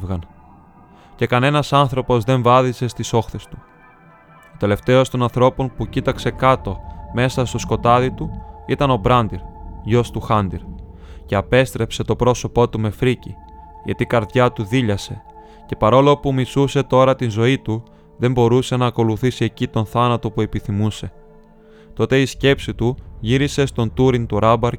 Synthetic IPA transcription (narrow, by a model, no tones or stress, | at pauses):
vɣɐn | ce̞kɐne̞nɐsɐnθɾo̞po̞zðe̞ɱvɐðise̞st̪iso̞xθe̞st̪u̥ | ot̪e̞le̞ft̪e̞o̞st̪o̞nɐnθɾo̞po̞npucit̪ɐkse̞kɐt̪o̞me̞sɐst̪o̞sko̞t̪ɐðit̪uit̪ɐno̞bɾɐnd̪iɾʝo̞st̪uxɐnd̪iɾce̞ɐpe̞st̪ɾe̞pse̞t̪o̞pɾo̞so̞po̞t̪ume̞fɾici | ʝɐ̰t̪ikɐɾðʝɐt̪uðiʎɐse̞ | ce̞pɐɾo̞lo̞pumisuse̞t̪o̞ɾɐt̪inzo̞it̪u | ðe̞mbo̞ɾuse̞nɐːko̞luθisie̞cit̪o̞nθɐnɐt̪o̞pue̞piθimuse̞ | t̪o̞t̪e̞isce̞psit̪uʝiɾise̞st̪o̞nt̪uɾint̪uɾɐbɐɾ